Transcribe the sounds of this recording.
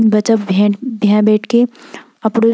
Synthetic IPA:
bɐt͡ʃəpbʱbʱjãbɛːʈʰke | ɐpɽoː

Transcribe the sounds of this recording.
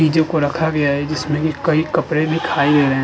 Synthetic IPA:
iːd͡ʒõkoɾɐkʰaɡɐjaɦɛd͡ʒɪsmẽbikɐikɐpɾebʱikʰaːileːɾɐɦẽ

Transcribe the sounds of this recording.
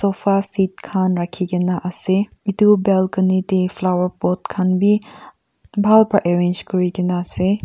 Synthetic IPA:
sopʰasitkʰanɾakʰiɡinaʔɐse | idubelkɐnitepʰlawəɾpot̚kʰanbi | bʱalpʰaʔeɾend͡ʒkɔɾiɡinase

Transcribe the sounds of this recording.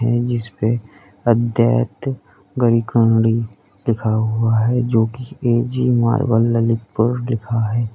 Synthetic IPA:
ɦɛ̃d͡ʒɪspe | əd̪ʱjaːjət̪ | ɡəɾikə̃ɳɽi | lɪkʰaɦʊaɦɛd͡ʒoːkieːd͡ʒima̰ːɾbə̰lːəlɪtpəɾlɪkʰaɦɛː

